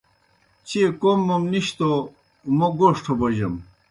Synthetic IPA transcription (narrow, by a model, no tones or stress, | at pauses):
t͡ɕekomːɐmniɕt̪o | mɐɡoʂʈʰobɐʑɐm